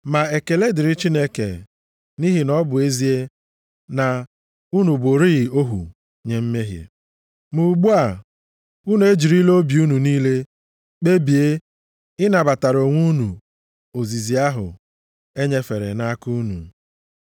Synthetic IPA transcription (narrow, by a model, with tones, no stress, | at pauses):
ma˨e˨ke˨le˦dɪ˨ɾɪ˦t͡ʃi˦ne˦kḛ˨ | ni˦ɦi˨nɔ˦bʊ˨e˦zi˨e˦ | na˨ | u˦nu˨bo˨ɾi˦ɣɪ˨o˦ɦṵ˨ | ɲe˨m̩˦me˦ɦjḛ˨ | mu˨ɡ͡bu˦a˨ | u˦nu˨˦e˦d͡ʒi˨ɾi˦lo˦bi˨u˦nu˨niː˦le˦ | k͡pe˦bi˨e˦ | ɪ˦na˨ba˨ta˨ɾo˨ŋʷu˦nu˨ | o˨zi˨zi˨a˦ɦʊ̰˨ | e˦ɲe˦fe˨ɾḛ˨na˦ku˦nṵ˨